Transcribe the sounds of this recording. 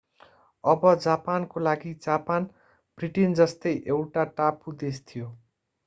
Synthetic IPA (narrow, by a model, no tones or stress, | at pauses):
ʌbʌd͡zapankolaɡid͡zapan | b̥riʈind͡zʌst̪ʌjʔewʈaʈapud̪est̪ʰijo